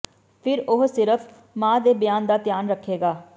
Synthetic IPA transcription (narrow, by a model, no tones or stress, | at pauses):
pʰɪɾʊɦsɪɾəpʰ | mãːd̪eːbɪjaːnd̪aːt̪ɪjaːnɾəkʰːeːɡaː